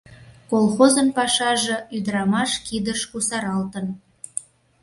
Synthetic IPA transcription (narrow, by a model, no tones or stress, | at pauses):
kolˠxozənpɑʃɑʒĕyd̪əɾɑmɑʃkid̪əʃkusɑɾɑlt̪ən